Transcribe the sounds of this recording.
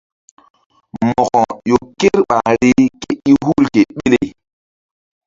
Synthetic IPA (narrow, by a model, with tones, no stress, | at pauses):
mɔ˨ɣɔ˨jo˨ke˦ɾɓa˨ɾi˦ke˨i˦ɦu˦lke˨ɓe˦le˨